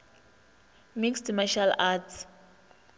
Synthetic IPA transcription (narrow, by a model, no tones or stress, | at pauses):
mikstmaʃalatʰ